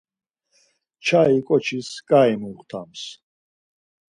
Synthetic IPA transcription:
t͡ʃʰaikʼɔt͡ʃʰiskʼaimuχt̪ʰams

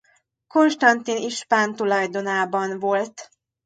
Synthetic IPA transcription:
ko̞nʃt̪ɒnt̪iniʃpaːnt̪ulɒjd̪o̞naːbɒnvo̞lt̪

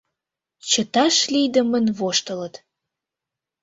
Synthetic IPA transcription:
t͡ɕət̪ɑʃlijd̪əmənβoʃt̪ələt̪

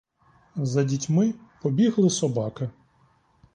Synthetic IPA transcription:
zɐdʲitʲmɪpɔbʲiɦlˠɪsɔbɑkɪ

